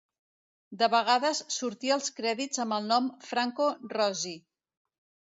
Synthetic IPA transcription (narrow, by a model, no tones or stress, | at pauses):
d̪əβəɣaðəsːuɾt̪iəlˠskɾɛðizəmbəlˠnɔmfɾaŋkorɔzi